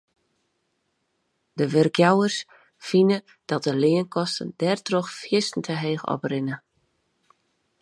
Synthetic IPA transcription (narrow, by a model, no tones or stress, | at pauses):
dəʋɪrkjawərs | finə | d̥ɔt̚dəlɪənkʰɔstən̩d̥ɛrtroxfjɪstn̩tʰəɦeːxɔ̰prɪnə